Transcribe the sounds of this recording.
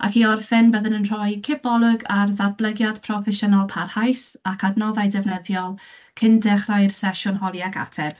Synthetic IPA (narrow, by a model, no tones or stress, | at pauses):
ʔa̰kiɔrfɛnbəðənənr̥ɔjkʰɪbɔlˠʊɡarðablˠəɡjad̥pʰrɔfɛʃənalˠpʰarhajsakʰadnɔðajdɛvnəðjɔlˠ | kʰɪndɛχrajrsɛʃʊnhɔlˠjaɡa̰tʰɛb̥